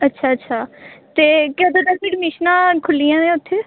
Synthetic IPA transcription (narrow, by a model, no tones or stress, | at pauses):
ətːʃʰaːətːʃʰaːt̪eːkɛːd̪at̪apiːɖmɪʃnãːkʰʊlːijãːẽʊt̪ʰːeː